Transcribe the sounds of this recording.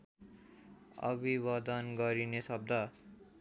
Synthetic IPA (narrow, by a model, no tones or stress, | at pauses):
ʌ̰biβʌd̪ʌnɡʌɾinesʌb̚d̪ʱʌ